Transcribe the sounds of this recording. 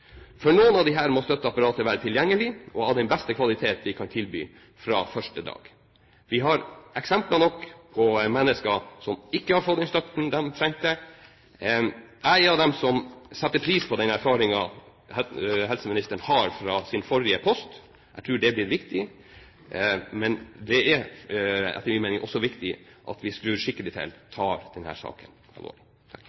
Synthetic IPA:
fɔnuːənɑʋd̪ɪɦæːɾmɔst̪œt̪ːəɑpːɑɾɑːt̪əɾʋæːɾət̪ʰɪljɛŋːəlɪʔɔɑʋd̪ɛnbɛst̪əkʰʋɑlɪt̪ʰeːt̪ʋɪkʰɑnt̪ʰɪlby̰ː | fɾɑ̰fœʂʈəd̪ɑ̰ːɡ̥ | ʋɪɦɑɾʔɛksɛmplɑnɔkːpʰɔmɛnːəskɑsɔmɪkːəhɑɾfɔt̪d̪ɛnst̪œt̪n̩d̪ɛmt̪ʰɾɛŋk̚t̪ə | ʔæɪɑʋd̪ɛmsɔmsɛt̪ːəɾpʰɾiːspʰɔd̪ɛnæɾfɑːɾɪŋɑ | ɛɦɛlsəmɪnɪst̪əɳhɑɾfɾɑsɪnfɔɾɪəpʰɔst̪ | ʔæɪt̪ʰɾʉːɖɛblɪɾʋɪkt̪ɪ | mɛnd̪ɛæɾ | ɛ̰t̪ːəɾmiːmeːnɪŋʔɔsːɔʋɪkt̪ɪʔɑ̰t̪ʋɪsklʉʂɪkːəlɪt̪ʰɪ̰lt̪ʰɑːɾd̪̥ɛnhæ̰ːɾʂɑ̰ːkən | ɛ̰lo̰ːlɪ

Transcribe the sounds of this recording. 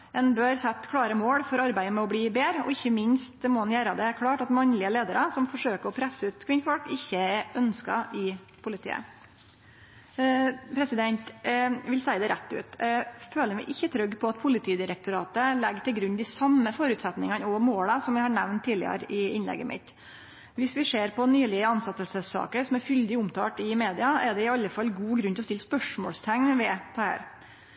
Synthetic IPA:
ɛnbøːɾsɛt̪ːkʰɽɑːɾəmoːɽfɔɾɑɾbæɪəmɛɔbɽiːbeːɾɔ̰ɪçːəmɪnst̪̚d̪ɛmɔɑnjæːɾɑd̪ɛæɾkʰɽɑːʈɑt̪mɑnlɪəleːd̪əɾɑsɔmfɔʂøːkəɾɔpʰɾɛsːəʉːt̪kʰwɪnfɔlkɪçːəɛœnskɑ̰ʔɪ | pʰʊlɪt̪ʰḭːə̰ | pʰɾɛsɪd̪ɛnt̪ʋɪlsæɪd̪ɛɾʔɛt̪ːʉ̰ːt̪ɛføːləɾmɛɪʔɪçːət̪ʰɾœɡːpʰɔɑt̪pʰʊlɪt̪ʰiːd̪ɪɾək̚t̪ʊɾɑːt̪əlɛɡt̪ɪlɡɾʉnːd̪ɪsɑmːəfɔɾʉːt̪sɛt̪nɪŋɑnɔmoːləsɔmʋɪhɑɳæʋnt̪ʰːiːlɪ̰ə̰ɾəɪɪnlɛ̰ɡːə̰mʔɪ̰t̪ | ʋɪsʋɪʂeːɾpʰɔnyːlɪəɑnsɑt̪ːəlsəsːɑ̰ːkəɾsɔmæɾfʏld̪ɪʊmt̪ʰɑ̰ːʈ̪ɪmeːd̪ɪɑɛɖɛɪɑlːəfɑlːɡuːɡɾʉnt̪ɔst̪ɪlːspœʂmɔːlst̪ʰæŋːʋɛt̪ʰɑhæ̰ːɾ

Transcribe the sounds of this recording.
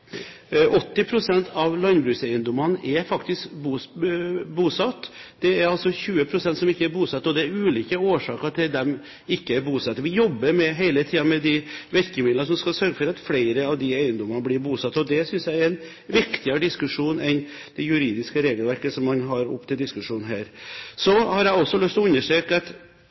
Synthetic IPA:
ʔɔt̪ːɪpʰɾʊsɛnt̪ʰɑʋlɑnbɾʉːsæɪənd̪ɔmɑnʔɛfɑkt̪ɪskbu | buːsɑt̪ːd̪̥ɛæɾɑlsɔçʉːəpʰɾʊsɛnt̪sɔmɪkːəæɾbuːsɑt̪ːɔd̪ɛæɾʉːliːkəoːʂɑːkəɾʈ̪ʰɪld̪ɛm | ɪkːəæɾbuːsɑt̪ːəʋɪjɔbːəɾmɛɦæɪlət̪ʰiːɑmɛd̪ɪʋɛɾkəmɪd̪ləʂɔmskɑsœɾɡəfɔɾɑt̪fleɪɾəɑʋd̪ɪæɪənd̪ɔmɑnəblɪɾbuːsɑt̪ːɔd̪ɛsʏnsjæɪɛɾɛn | ʋɪkt̪ɪɑɾəd̪ɪskʉʂuːnɛn | d̪̥ɛjʉɾiːd̪ɪskəɾeːɡəlʋæɾkəsɔmːɑnɦɑɾʊ̰pːt̪ʰɪld̪ɪskʉʂuːnn̩ɦæ̰ːɾsɔhɑɾjæɔsːɔlœst̪ɔʉnːəʂʈøːkəɑt̪

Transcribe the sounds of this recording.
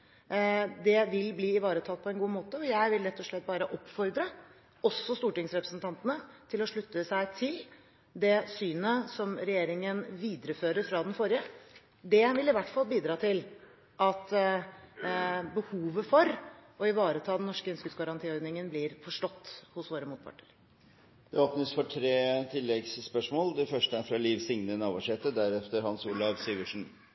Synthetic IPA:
d̪ɛʋɪlbliːɪʋɑːɾət̪ʰɑːt̪pʰɔɛnɡuːmoːt̪əɔjæɪʋɪlɾɛt̪ːɔʂɭɛt̪̚ːbɑːɾəʔɔpːfɔɾd̪ɾə | ɔsːɔst̪uːʈɪŋsɾɛpɾəsnt̪ʰɑnt̪ənət̪ʰɪlɔʂɭʉt̪ːəsæɪt̪ʰɪl | d̪ɛsyːnəsɔmɾɛjeːɾɪŋənʋiːd̪ɾəføːɾəɾfɾɑːd̪ɛnfɔɾɪə | d̪ɛʋɪlɪʋæʈːfɑlbiːd̪ɾɑːt̪ʰɪl | ʔɑt̪ | bəhuːʋəfɔɾɔɪʋɑːɾət̪ʰɑːd̪ɛnɔʂkəœnskəd̪sɡɑɾɑnt̪iːɔɾd̪nɪŋənblɪɾfɔʂʈɔt̪ːhʊsʋoːɾəmuːt̪̚pʰɑ̰ʈɳəɾ | d̪ɛoːpnəsfɔʈʰɾeːt̪ʰɪlːɛɡsːpœʂmoːld̪ɛfœʂʈəæɾfɾɑliːʋsɪŋnənɑːʋɑʂɛːt̪əd̪æɾɛft̪əɾhɑnsuːlɑʋsiːʋəʂn̩

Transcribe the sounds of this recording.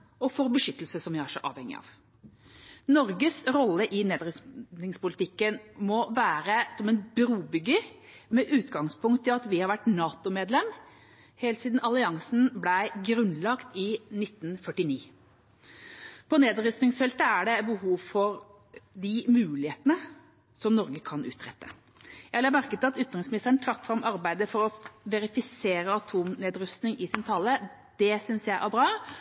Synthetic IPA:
ɔfɔɾbəʂʏt̪ːəlsəsɔmjæhæʂəʔɑ̰ːʋhɛŋːɪ̰ɑ̰ːʋ | nɔɾɡəsɾɔlːəʔɪneːd̪ɾʏsnɪŋspʊlɪt̪ʰɪkːənmɔʋæːɾəsɔmɛnbɾuːbʏɡːəmɛʔʉːt̪ɡɑŋspʊŋkt̪ʰːɪlɑt̪ʋɪhɑɾʋæʈnɑːt̪ʊmeːd̪lɛm | heːlt̪siːd̪n̩ɑlɪɑŋsn̩blæɪɡɾʉnːlɑkt̪ɪnɪt̪ːn̩fœʈɪniː | pʰɔneːd̪ɾʏst̪nɪŋsfɛlt̪əæɖɛbəhuːʋfɔɾ | d̪ɪmʉːlɪheːt̪ənə | sɔmnɔɾɡəkʰɑnʉ̰ːt̪ɾɛt̪ːə | jælæmæɾkət̪ːɑt̪ʏt̪nʁɪŋsmɪnɪst̪əɾəɳt̪ʰɾɑkːfɾɑmʔɑɾbæɪd̪əfɔɾɔʋɛɾɪfɪseːɾəɑt̪ʰuːmneːd̪ɾʉst̪nɪŋʔɪsɪnt̪ʰɑlːə | d̪̥ɛsʏnsjæɪʔæbɾɑː

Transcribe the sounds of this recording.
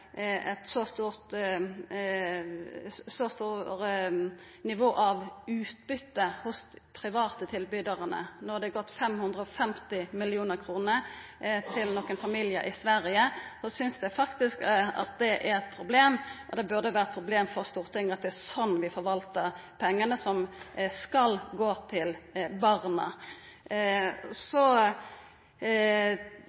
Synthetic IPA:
ɛt̪sɔst̪uːʁt̪ | sɔst̪uːɾə | nɪʋoːʔɑʋʉːt̪bʏt̪ːəhʊspʰɾɪʋɑːt̪ət̪ʰɪlbʏd̪ɑʁənə̰nɔʁd̪ɛɡɔt̪ːfɛmhʉnd̪ʁəɔfɛmt̪ɪmɪlɪuːnəʁkʰʁuːnə | t̪ʰɪlnɔkːənfɑmiljə̰ʔɪsʋæɾɪəsɔsʏnsd̪ɛfɑkt̪ɪskɑ̰t̪̚d̪ɛʔæɾɛt̪pʰɾʊbleːmʔɔd̪ɛbʉʁd̪əʋæːʁət̪̚pʰʁʊbleːmfɔʁst̪uːʁt̪ʰɪŋːɑt̪̚d̪ɛæsɔnːʋɪfɔʁʋɑlt̪əʁpʰɛŋːənəsɔmskɑlɡoːt̪ʰɪlbɑʁnə̰ | sɔ

